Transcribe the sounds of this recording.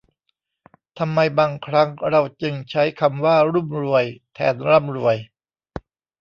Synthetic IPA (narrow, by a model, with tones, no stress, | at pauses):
t̪ʰa˧mːa˧jbaː˧ŋkʰɾa˦˥ŋɾa˧wt͡ɕɯ˧ŋt͡ɕʰa˦˥jkʰa˧mwaː˥˩ɾu˥˩mɾu˧əjt̪ʰɛ̰ː˨˧nɾa˥˩mɾṵ˧˩əj